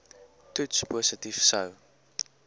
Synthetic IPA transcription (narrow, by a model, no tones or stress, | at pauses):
tut͡ʃpʰɔsətifsəw